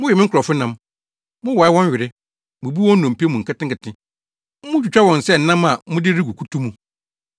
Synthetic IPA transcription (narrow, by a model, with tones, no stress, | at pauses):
mʊ̃˦jɛ˨mɪ̃˦ŋ̩˦kʰʊ˨ɔ˨fʊ˦nã˦m | mʊ̃˦wɔ˨ɪ˦wɔ̃˦ɲ˦ɥɪ˨ɾɪ˦ | mũ˨bi˦ɔ̃˦n̩˦nɔ̃˨m̩˨pi˦mũ˨ŋ̩˨kʰɪ˦tɪ̃˦ŋkɪ˨tʰɪ̃˦ | mʊ̃˦t͡ɕᶣu˨t͡ɕᶣa˦wɔ̃˨n̩˨sɛ˦n̩˨nã˦ma˨mʊ̃˦dɪ˦ɾi˦ɡu˨kʰu˦tʰu˦mũ˨